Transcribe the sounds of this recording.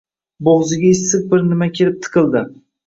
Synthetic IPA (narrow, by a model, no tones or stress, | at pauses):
boʁzɪɡʲaɪsːɨq̚bɪɾnɪmakʲʰelɪp̚t̪ʰɨ̥qʰɨlˠd̪ɪ